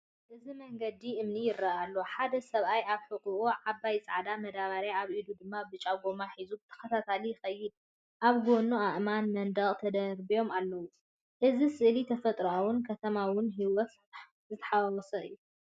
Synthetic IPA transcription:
ʔɨzimɐŋɡɐd̪iʔɨmnijɪrːaʔalːo̞ħad̪ɐsɐβʔajaβħɨqʼuʔuʕabːajt͡sʼaʕd̪amɐd̪aβaɾaaβʔid̪ud̪ɨmːabɨt͡ʃʼaɡomaħizubɨt̪ʰɐ̥xɐt̪ʰat̪ʰalijɪxɐjːɪd̪̚ | ʔaβɡo̞nuaʔmanmɐnd̪ɐkʼt̪ʰɐd̪ɐɾbijo̞malːɐwu | ʔɨzisɨʔlit̪ʰɐfɐt̪ʼɾɐawʊnkʰɐt̪ʰɐmawʊnɦiwɔt̪ | zɨt̪ʰɐ̥ħaawɔsɐɨ̰jːu

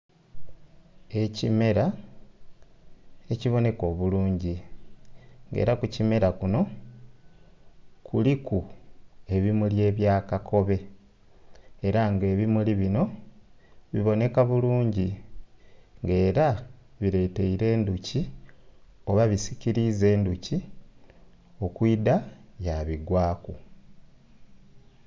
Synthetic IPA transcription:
e̞cime̞ɾa | e̞ciβo̞ne̞ko̞ːβuluːɲɟi | ŋɡḛːɾakucime̞ɾakuno̞ | kuliku | e̞βimulje̞ːβjaːkakʰo̞βe̞ | ɾaŋɡe̞ːβimuliβino̞ | βiβo̞ne̞kaβuluːɲɟi | ŋɡe̞ːɾa | βiɾe̞te̞iɾe̞ːnduci | o̞βaβisiciɾize̞ːnduci | o̞kwiːdajaβiɡwaːku

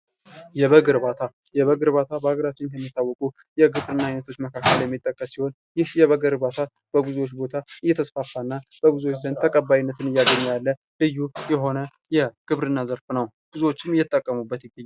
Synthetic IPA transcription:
jɛβəɡɨɾbat̪ʰa | jɛβəɡɨɾbat̪ʰabəhaɡəɾat͡ʃːɪnkʰəmːit̪ːawːɔkʼu | jɛɡɨβɾɨnːaajnət̪ʰo̞t͡ʃːməkʰakːəljɛmːit̪ʼːəkʼːəssiho̞n | jɪhjɛβəɡɨɾbat̪ʰa | b̥əɡuzuwo̞t͡ʃːbo̞t̪ʰaɨjːɛt̪ʰəsfafːaɨnːab̥əɡuzuwot͡ʃːzənd̪t̪ʰəkʼəbːajnːət̪ʰɨnɨjaɡəɲːjalːə | lɨjːujɛɦo̞nə | jɛɡ̥ɨβɾɨnːazəɾfnəw | ɡ̥uzuwo̞t͡ʃːɪmɨjɛt̪ʼːəkʼːəmubːət̪jɪɡːəɲːal

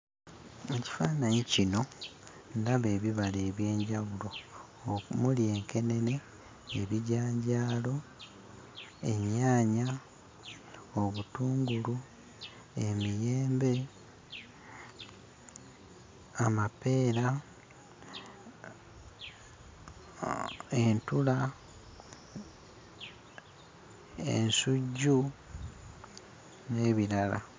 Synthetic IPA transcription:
e̞ci̥faːnaɲicino̞ | ndaβe̞ːβiβale̞ːβje̞ːɲɟaɣulo̞ | mulie̞ːŋke̞ne̞ne̞ː | βiɟaːɲɟaːlo̞ | e̞ɲaːɲa | o̞βutuːŋɡulu | e̞mije̞ːmbe̞ | amape̞ːɾa | e̞ntula | ḛnsuɟːu | ne̞ːβilala̰

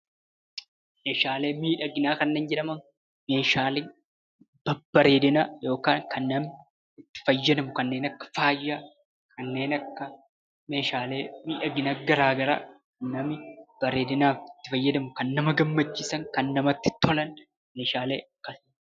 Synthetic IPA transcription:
meːʃaːle̞ːmiːᶑɐɡɪnaːkɐnːeːnd͡ʒɛᶑɐmɐŋ | me̞ːʃaːleː | b̥ɐbːɐɾe̞ːd̪ɪnaːjo̞ːkaːŋkʰɐnːɐm | ɪt̪ːɪ̥fɐjːɐd̪ɐmʊkɐnːe̞ːnɐkːɐ̥faːjːaː | kʰɐnːe̞ːnɐkːɐ | me̞ːʃaːle̞ːmiːᶑɐɡɪnaːɡɐɾaːɡɐɾa̰ːkɐnːɐmɪb̥ɐɾe̞ːd̪ɪnaːfɪt̪ːɪfɐjːɐd̪ɐmʊkɐnːɐmɐɡɐmːɐt͡ʃːiːsɐŋkɐnːɐmɐt̪ːɪ̥t̪ːɔlɐn | meːʃaːle̞ːɐkːɐs

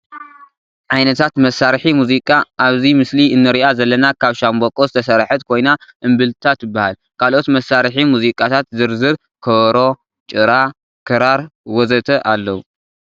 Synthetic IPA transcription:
ʕajnɐt̪ʰat̪mɐsaɾħimuzikʼaʔaβzimɨsliɨnːɨɾiʔazɐlːɐnakʰaβʃambokʼozɨt̪ʰɐsɐɾħɐt̪̚kʰo̞jnaʔɨmbɨlt̪ʰat̪jɪbːahal | kʰalʔo̞t̪mɐsaɾħimuzikʼat̪ʰat̪zɨɾzɨɾ | kʰɐɾo̞ | t͡ʃʼɨɾa | kʰɨɾaɾwɔzɐt̪ʰɐʔalːɐwu

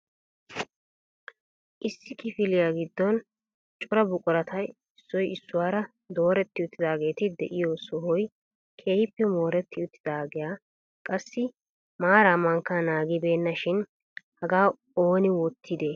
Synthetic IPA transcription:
ʔɪsːɪkɪfɪlɪjaːɡɪd̪ːɔn | t͡ʃʼʊɾɐbʊkʼʊɾɐt̪ʰɐj | ɪsːɔjɪsːʊwaːɾɐ | d̪o̞ːɾɛt̪ːɪʊt̪ːɪd̪aːɡe̞ːt̪ɪd̪ɛʔɪjoːsɔɦɔj | kʰeːhɪpːɛmo̞ːɾɛt̪ːɪʊt̪ːɪd̪aːɡɪjaː | kʼɐsːɪ | maːɾamɐŋkːanaːɡɪbe̞ːnːɐʃɪn | hɐɡaː | oːnɪwɔt̪ʰːɪd̪eː

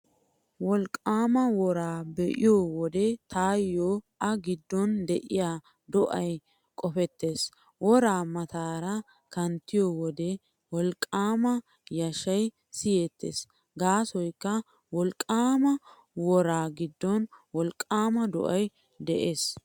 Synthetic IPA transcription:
wɔlkʼːaːmɐwɔɾaːbɛʔɪ̰joːwɔd̪ɛt̪ʰaːjːoːʔɐɡɪd̪ːɔnd̪ɛʔɪjaː | d̪ɔʔɐj | kʼɔfɛt̪ːe̞ːs | wɔɾaːmɐt̪aːɾɐ | kɐnt̪ːɪjowɔd̪ɛ | wɔlkʼːaːmɐ | jɐʃɐj | sɪjeːt̪ːḛːs | ɡaːsɔjkːɐ | wɔlkʼːaːmɐ | wɔɾaːɡɪd̪ːɔnwɔlkʼːaːmɐd̪ɔ̰ʔɐj | d̪ɛʔeːs

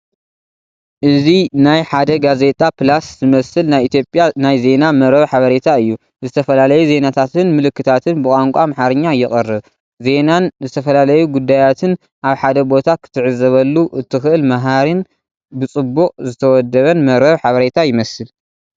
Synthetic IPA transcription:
ʔɨzinajħad̪ɐɡaze̞t̪ʼapʰɨlaszɨmɐsɨlnajʔit̪ʰjo̞pʼjanajze̞namɐɾɐβħaβɐɾe̞t̪ʰaɨjːu | zɨt̪ʰɐfɐlalɐjuze̞nat̪ʰat̪ɨnmɨlɨkːɨt̪ʰat̪ʰɨnbɨkʼaŋkʷʼamaħaɾɨɲːajːɪχʼɐrːɨβ | ze̞nanzɨt̪ʰɐfɐlalɐjuɡud̪ːajat̪ʰɨn | ʔaβħad̪ɐbo̞t̪ʰakʰɨ̥t̪ʰɨʕɨzɐβɐlːuʔɨt̪ʰːɨxɨʔɨlmaɦaɾin | bɨt͡sʼɨbːuqʼzɨt̪ʰɐwɔd̪ːɐβɐnmɐɾɐβħaβɐɾe̞t̪ʰajɪmɐsɨl

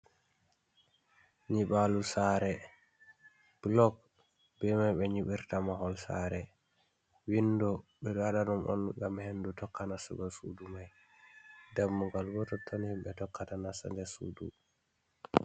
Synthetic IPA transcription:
ɲiɓalusaɾɛ | b̥lɔk̚ | bɛmajɓɛɲiɓiɾtamahɔlsa̰ɾɛ | windɔɓɛɗaɗanɔmʔɔ̰nɡamhendutɔkːanasṵbasṵdumaj | dɛmːɔɡalbɔtɔtʰonimɓɛtɔkːatanasa̰ndɛsṵːdṵ

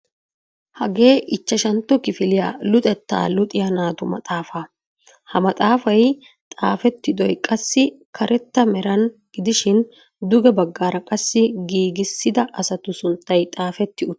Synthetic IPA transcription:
hɐɡe̞ːʔɪt͡ʃːɐʃɐnt̪ːɔkɪfɪlɪjaːlʊt̪ʼɛt̪ːa̰ːlʊt̪ʼɪjɐnaːt̪ʊmɐ̰t̪ʼaːfaː | hɐmɐt̪ʼaːfɐj | t̪ʼaːfɛt̪ːɪd̪ɔjkʼɐsːɪkʰɐɾʔɛt̪ːɐmɛɾɐnɡ̥ɪd̪ɪʃɪn | d̪ʊɡɛbɐɡːaːɾɐkʼɐsːɪɡiːɡɪsːɪd̪ɐʔɐsɐt̪ʊsʊnt̪ːɐjt̪ʼaːfɛt̪ːɪʊ

